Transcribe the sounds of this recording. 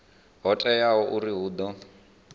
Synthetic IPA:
ɦɔtʼɛjaɦɔʔuɾiɦuːd̪ɔ

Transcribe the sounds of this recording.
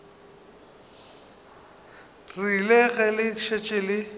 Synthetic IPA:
rilɛɣɛlɪʃet͡ʃʼelɪ

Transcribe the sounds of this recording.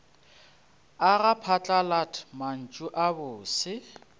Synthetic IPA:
aɣapʰat͡ɬʼalatʰman̩t͡ʃʼuʔabʊːsɪ

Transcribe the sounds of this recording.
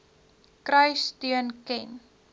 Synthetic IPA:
krœɥstyənkɛn

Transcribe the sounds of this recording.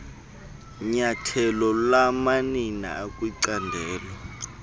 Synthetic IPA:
ɲatʰɛlɔlamanina̰akʼwiǀandʱɛːlɛ

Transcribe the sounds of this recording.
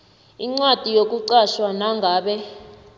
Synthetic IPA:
iŋ͡ǀwad̥ʱijok̬ʼuǀaʃwanaŋɡʱaːɓɛ

